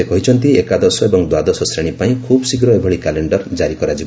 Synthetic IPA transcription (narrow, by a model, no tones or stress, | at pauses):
ekɔɦit͡ʃʰɔnt̪̬iekad̪ɔsɔebɔŋd̪wad̪ɔsɔsɾeɽ̃ipaĩkʰubɔsiɡɾɔebʱɔɭikaleɳɖɔɾd͡ʒaɾikɔɾad͡ʒibɔ